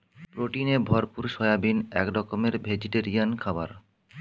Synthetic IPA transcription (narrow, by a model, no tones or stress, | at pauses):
pɾoʈinebʱɔɾpuɾʃɔjabinɛ̰kɾɔkomeɾbʱed͡ʑiʈeɾiankʰabaɾ